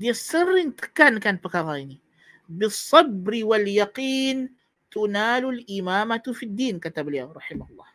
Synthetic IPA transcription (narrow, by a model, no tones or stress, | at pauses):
d̪isˤːɨrːɪnt̪ḁkaːnkaːnbakaɣaːni | bɨsˤːɑbɾɪwaljɑqiːn | t̪ʊnaːlʊlʔɪmaːmat̪fid̪ːiːnkat̪abljaɾˤɑħɪmahʊlˤːɑ̰ːh